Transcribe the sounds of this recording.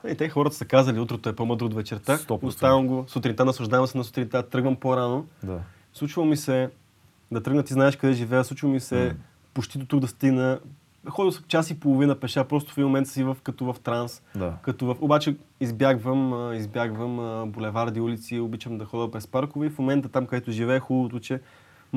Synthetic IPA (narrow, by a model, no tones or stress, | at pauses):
ɛit̪ɛxɔɾət̪ə̥sɐkazəliut̪ɾət̪oɛpomɤd̪ɾot̪vɛt͡ʃɛɾt̪aost̪avəmɡosʊt̪ɾʲint̪anɐslˠɐʒd̪avɐmsɛnɐso̥t̪ɾint̪at̪ɾɤɡvəmpoɾanod̪a | slˠut͡ʃvəlˠmisɛ | d̪ɐt̪ɾɤɡnət̪iznaɛʃkɐd̪ɛʒivɛjəsˠut͡ʃivomisɛ | pot͡ʃt̪id̪ot̪uɡd̪ɐst̪iɡnə | xɔd̪əst͡ʃasipolˠovinəpɛʃapɾɔst̪ʊfɛimomɛnt̪sivəfkɐt̪ovɐft̪ɾansd̪akɐt̪ɔvəfobat͡ʃɛizbjaɡvəmizbjaɡvəməbolɛvaɾd̪iulit̪siobit͡ʃəmd̪ɐxɔd̪əpɾɛspaɾkʊvɛifmomɛnt̪ət̪amkɐd̪ɛt̪ʊʒivɛːxulˠəbot̪ʊt͡ʃɛ